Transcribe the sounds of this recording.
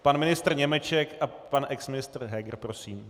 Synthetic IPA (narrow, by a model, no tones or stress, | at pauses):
panmɪnɪst̪r̩ɲɛmɛt͡ʃɛkapanʔɛksmɪnɪst̪r̩ɦɛɡɾpɾo̞siːm